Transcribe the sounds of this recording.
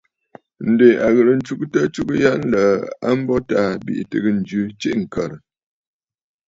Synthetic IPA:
n̩˨de˨a˨ɣə˨ɾə˨n̩˦t͡ʃu˦ktə˦t͡ʃu˦kja˦n˦lə˨a̰˦m̩˦bɔ˦ta˦bḭ˨ʔtɨ˨ɡɨ˦n̩˨d͡ʒʉ˦t͡ʃi˦ʔŋ̩˨kə˨ɾ

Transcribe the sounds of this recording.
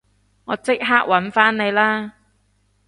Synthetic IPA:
ŋɔː˨˧t͡sɪ˥k̚ɦaː˥k̚wɐ˨˦˥nfaː˥nne˨˧jlaː˥

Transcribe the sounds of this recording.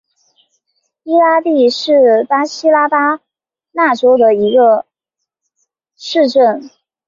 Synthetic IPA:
i˥la˥t̪i˥˧ʂɻ̩˥˩pa˥ɕi˥la˥pa˥ | na˥˩ʈ͡ʂo˥ʊd̪ə˨i˧˥ɡə˧ | ʂɻ̩˥˧ʈ͡ʂə˥˩n

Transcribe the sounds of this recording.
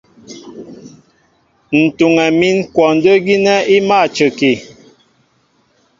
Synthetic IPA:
n̩˨tu˨ŋɛ˨mi˦nkwɔ˨n̩˨˦də˦ɡi˦nɛ˦i˦ma˦˨t͡ʃə˨ki˨

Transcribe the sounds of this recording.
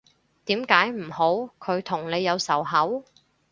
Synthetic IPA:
t̪iː˨˥mkaː˨˥jm̩˨˩ho˨˥wkʰɵ˨˧ɥt̪ʰʊ˨˩ŋne˨˧jːɐ˨˧wsɐ˨˩wɦɐ˨˥w

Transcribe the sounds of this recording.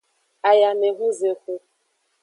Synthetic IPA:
a˨ja˨ne˨ɦu˦ze˨kʷu˦

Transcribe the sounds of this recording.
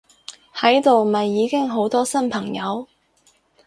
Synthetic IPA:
hɐ˨˥jt̪o˨wmɐ˨jːiː˨˧kɪ˥ŋɦo˨˥wt̪ɔː˥sɐ˥npʰɐ˨˩ŋjɐ˨˧˥w

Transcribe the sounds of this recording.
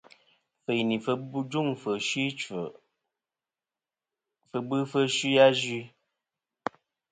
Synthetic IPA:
fə˨jni˨fə˦d͡ʒu˦˨ŋfə˨ʃi˦t͡ʃə˨ | fə˧bɨ˦fə˦ʃi˦ja˦zi˦

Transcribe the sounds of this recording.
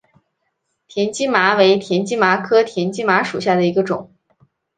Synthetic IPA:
t̪ʰjɛ˧˥nt͡ɕi˥ma˧˥we˧˥ɪt̪ʰjɛ˧˥nt͡ɕi˥ma˧˥kʰɤ˥t̪ʰjɛ˧˥nt͡ɕi˥ma˧˥ʂu˨˩ɕja˥˩d̪ə˩i˧˥ɡə˧ʈ͡ʂʊ̰˨˩˦ŋ

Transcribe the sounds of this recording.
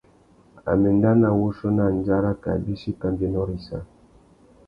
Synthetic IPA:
a̰˨me˨n˦da˦na˦˨wu˦so˦na˦˨n˦d͡ʒa˦ɾa˦ka̰˨bi˦ʃi˦ka˦mbe˦nɔ˦ɾi˦sa̰˦

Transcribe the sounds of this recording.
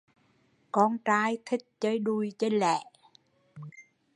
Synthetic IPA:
kɔ˧nt͡ɕaː˧jt̪ʰï˦˥k̚t͡ɕəː˧jɗu˧jt͡ɕe˧nlɛ̰˧˩˨

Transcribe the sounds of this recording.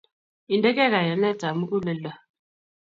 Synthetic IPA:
i˨ndɛ˦kɛ˦ka˨ja˨nɛ˦˨ta˨mu˦ku˦le˨la˨

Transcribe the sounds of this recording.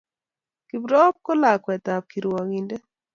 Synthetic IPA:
ki˨bɾɔ˦p̚kɔ˦la˨kwɛ˨t̪a˨p̚ki˨ɾwɔ˨ŋi˨nde˦

